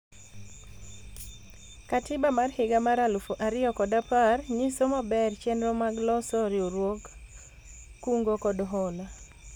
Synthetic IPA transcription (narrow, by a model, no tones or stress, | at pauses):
katɪbamarhɪɡamaɾalufoʔaɾɪɔkɔdaparɲisomabɛrt͡ʃɛndɾomaɡlɔsɔɾɪoɾwok | uŋɡokɔdɦɔla